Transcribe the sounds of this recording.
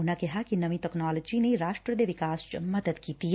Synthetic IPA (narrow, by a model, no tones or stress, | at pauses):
ʊnakɛɦakinɐʋit̪ɛknaːləd͡ʒineɾaːʃʈɾəd̪eʋɪkaːsmɐd̪əd̪kiːt̪i